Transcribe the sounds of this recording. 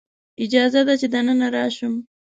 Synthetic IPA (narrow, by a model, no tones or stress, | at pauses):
ɪd͡ʒɑzad̪at͡ʃed̪anənaɾɑʃum